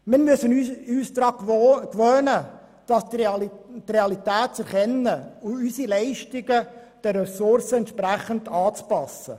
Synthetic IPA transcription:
mɪːɾmysənyyːsd̪ɾɑːkʋøːnə | d̥ɑsttreɑlit̪æːtt͡sɛɾχɛnːəʊysilɛɪʃtɪɡə | d̥ɛrɛsʊɾsəɛntʃpɾæχənd̥ɑːt͡spɑsə̰

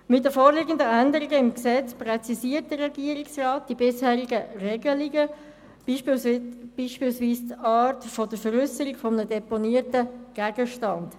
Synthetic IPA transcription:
mɪt̚dəfoːɾlɪːɡən̩dəændəɾɪɡəɪmksɛt͡sprɛt͡sisiːəɾt̚d̥ərɛɡ̥iəɾɪksrɑːt̚d̥ibɪshæːʁiɡərɛɡəliɡə̥ | i | b̥iːʃpiːlsʋiːst̪ɑːɾtfɔd̥əfəɾʏsəɾɪɡfɔmənədɛponiːəɾtəɡ̥æːɡəʃtɑnd

